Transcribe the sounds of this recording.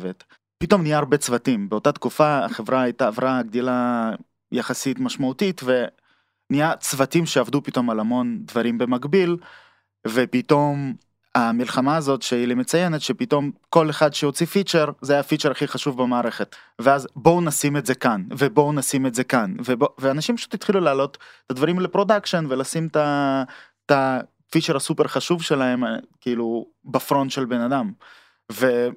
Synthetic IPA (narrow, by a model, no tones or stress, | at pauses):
vet̪ | pit̪o̞mnijaːʁbet͡svatimbeo̞tat̪kufa̰ːχevʁaajt̪aːvʁaɡd̪ila | jaχasitmaʃmautit̪ve̞ | nijat͡svatimʃeavd̪upit̪o̞malamo̞nd̪vaɾimbe̞maɡbil | vepit̪o̞m | amilχamaːzo̞tʃeilimet͡sajenet̪ʃepit̪o̞mko̞leχad̪ʃeot͡sifit͡ʃeʁzeajafit͡ʃeɾaχiχaʃuvbemaːʁe̞χet̪ | veazbo̞nasimetze̞kanvebo̞nasimetzekanveboveanaʃimpaʃu̥t̪jit̪χilulaːlo̞t̪t̪ad̪vaʁimlepʁo̞d̪akʃonvelasimta | ta | fit͡ʃeɾʁasupe̞ʁχaʃuvʃe̞laɦe̞mkiilu | bafɾo̞nʃe̞lbe̞nad̪am | ve